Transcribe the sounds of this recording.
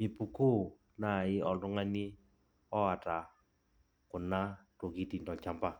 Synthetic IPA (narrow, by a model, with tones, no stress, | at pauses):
mi˨pu˨ku˦ | na˨ɪ˦ʔɔ˨ndʊ˦ŋa˦ni˦ | ɔ˦a˨ta˨ | kʊ˨na˦to˨ki˦ti˨ndɔ˨t͡ʃa˦mba˦˨